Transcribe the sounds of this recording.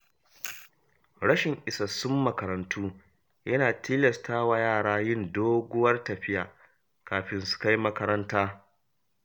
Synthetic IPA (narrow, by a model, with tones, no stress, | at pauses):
ɽɐ˦ʃɪ˨ŋʔɪ˨sɐ˨sʊ˦mːɐ˨kɐ˨ɾɐ˨ntʰuː˦ | jɐ˦naː˨tʰiː˦lɐ˨stʰaː˦wa˨jaː˦˨ɽaː˦jɪ˦ndoː˦ɡʷʊ˦wɐ˦rtɐ˨ɸɪ˦jaː˨ | kaː˨ɸɪ˨˦nsʊ̥˨˦ka˦jmɐ˦kɐ˦ɾɐ˦ntaː˦